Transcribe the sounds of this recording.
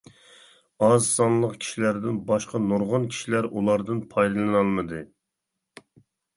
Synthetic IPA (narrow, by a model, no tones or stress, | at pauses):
ɑzsɑnlˠəqkʲʰi̥ʃilæɾd̪ɪnbɑʃqɑnoɾʁɑnkʲʰi̥ʃilæɾʔulˠɑɾd̪ɨnpʰɑjd̪ɨlˠɨnɑlˠmɨd̪ɨ